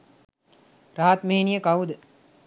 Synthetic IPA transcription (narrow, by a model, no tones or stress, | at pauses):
ɾaːt̪meɦinijəkawd̪ə